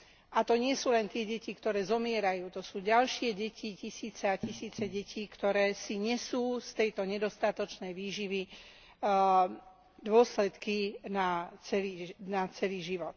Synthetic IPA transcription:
ʔat̪ɔɲɪɛsuːlɛnt̪ɪɛɟɛcikt̪ɔɾɛːzɔmɪɛɾajuːt̪ɔsuːɟalʃɪɛɟɛcʰicisiːt͡sɛacisiːt͡sɛɟɛciːkt̪ɔɾɛːsiɲɛsuːst̪ɛjt̪ɔɲɛd̪ɔst̪at̪ɔt͡ʃnɛjʋiːʒiʋi | d̪ʊɔslɛt̪kinat͡sɛlinat͡sɛliːʒiʋɔt̪̚

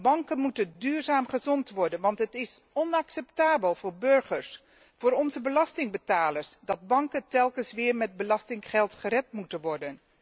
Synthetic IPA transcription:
bɑŋkənmutəndyːɹzaːmχəzɔntʋɔɹdənʋɑntɦətɪsɔnɑksɛptaːbəlˠvʊːɹbɵɹχəɹs | fʊːɾɔnzəbəlɑstɪŋbətaːləɹsdɑd̚bɑŋkəntɛlˠkənsʋɪːɹmɛd̚bəlɑstɪŋχɛlˠtχərɛtmutənʋɔɹdən

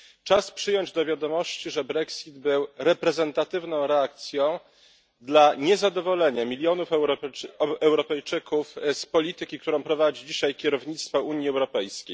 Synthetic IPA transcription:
t͡ʂaspʂɘjɔɲd͡ʑd̪ɔvʲjad̪ɔmɔɕt͡ɕiʐɛbɾɛksʲid̪bɘwɾɛpɾɛzɛnt̪at̪ɘvnɔ̃w̃ɾɛak̚t̪sʲjɔ̃w̃ | d̪laɲɛzad̪ɔvɔlɛɲamʲilʲjɔnuf | ɛwɾɔpɛjt͡ʂɘkufspɔlʲit̪ɘkʲikt̪uɾɔ̃w̃pɾɔvad͡ʑid͡ʑiɕajkʲɛɾɔvɲit̪st̪fɔuɲiɛwɾɔpɛjskʲej

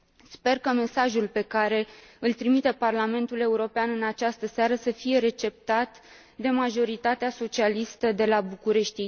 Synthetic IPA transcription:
spe̞rkəme̞saʒulpe̞kaɾe̞ɨlt̪ɾimit̪eparlame̞nt̪ule̞uɾo̞peanɨnat͡ʃast̪əseaɾəsəfije̞ɾe̞t͡ʃe̞p̚t̪at̪ | d̪e̞maʒo̞ɾit̪at̪easo̞t͡ʃialist̪əd̪e̞labukuɾe̞ʃt̪i

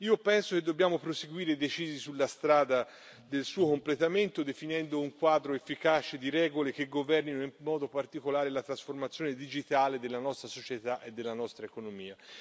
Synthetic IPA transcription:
iːopɛnsok̟ed̪ːobjaːmopɾoseɡwiːɾed̪et͡ʃiːzisulːast̪ɾaːd̪a | d̪elsuːokomplet̪ament̪od̪efinɛnd̪ouŋkwaːd̪ɾoefːikat͡ʃed̪iɾɛːɡolek̟eɡovɛrninoimːɔːd̪opart̪ikolaːɾelat̪ɾasformat̪sːjoːned̪id͡ʒit̪aːled̪elːanɔst̪ɾasot͡ʃet̪aʔed̪ːelːanɔst̪ɾaekonomiːa

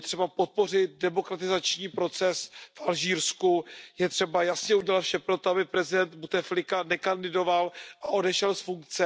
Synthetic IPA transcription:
t̪r̥ɛbapo̞t̪̚po̞r̝ɪt̪̚dɛmo̞kɾat̪ɪzat͡ʃɲiːpɾo̞t͡sɛsfʔalʒiːɾskujɛt̪r̝̥ɛbajasɲɛuɟɛlat̪fʃɛpɾo̞t̪oabɪpɾɛzɪdɛnt̪but̪ɛflɪkanɛkandɪdo̞valʔaʔo̞dɛʃɛlsfuŋk̚t͡sɛ

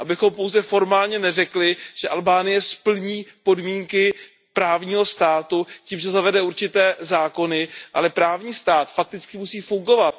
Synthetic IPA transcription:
ʔabɪxo̞mpo̞wzɛfo̞ɾmaːlɲɛnɛrɛklɪʒ̥ɛʔalbaːnɪjɛspl̩ɲiːpo̞dmiːŋkɪ | pɾaːvɲiːɦo̞st̪aːt̪uciːmʒɛzavɛdɛuɾt͡ʃɪt̪ɛːzaːko̞nɪʔa̰lɛpɾaːvɲiːst̪aːt̪fak̚t̪ɪt͡skɪmusiːfuŋɡo̞vat̪̚

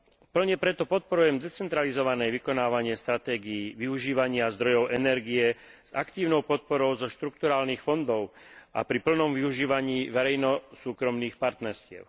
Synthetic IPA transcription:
pl̩ɲɛpɾɛt̪ɔpɔt̪̚pɔɾujɛmd̪ɛt͡sɛnt̪ɾalizɔʋanɛjʋikɔnaːʋaɲɪɛst̪ɾat̪ɛːɡiiːʋiuʒiːʋaɲɪazd̪ɾɔjɔʊʔɛnɛɾɡiɛz̥akt̪iːʊnɔʊpɔt̪̚pɔɾɔʊzɔʃt̪ɾuk̚t̪uɾaːlniːxfɔnd̪ɔʊʔa̰pɾipl̩nɔmʋiuʒiːʋaɲiːʋɛɾɛjnɔsuːkɾɔmniːxpaɾt̪nɛɾscɪɛ̰ʊ

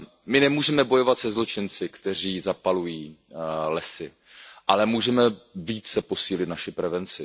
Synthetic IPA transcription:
mɪnɛmuːʒɛmɛbo̞jo̞vat̪sɛzlo̞t͡ʃɪnt͡sɪkt̪ɛr̝iːzapalujiːlɛsɪ | ʔalɛmuːʒɛmɛviːt͡sɛpo̞siːlɪt̪naʃɪpɾɛvɛnt͡sɪ

